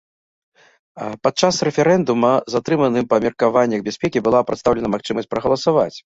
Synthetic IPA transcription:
pat̪̚t͡ʂasrɛfʲɛɾɛnd̪umɐzat̪ɾɨmɐnɨmpɐmʲirkavanʲːɐɣbʲasʲpʲɛkʲibɨlˠapɾɐt̪st̪awlʲɛnɐmaxt͡ʂɨmɐsʲt͡s̚ʲpɾɐɣɐlˠɐsava̰t͡sʲ

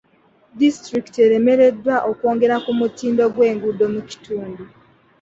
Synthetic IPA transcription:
distɾiki̥teɾe̞me̞ɾe̞dːwaʔoko̞ːŋɡe̞ɾakumutiːndo̞ɡwe̞ːŋɡudo̞muci̥tuːndu

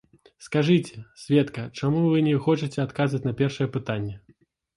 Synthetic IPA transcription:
skaʐɨt͡sʲɛsʲvʲɛt̪kɐt͡ʂamuvɨnʲɛxɔt͡ʂɨt͡sʲɛat̪kazvɐt͡sʲnɐpʲɛrʂɐjɛpɨt̪anʲːɛ

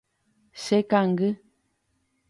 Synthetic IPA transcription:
sɛkaŋ̩ɡə

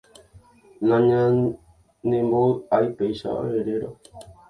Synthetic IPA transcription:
nãɲã | nẽmboajpejʃa̰ʔo̰eɾeɾo

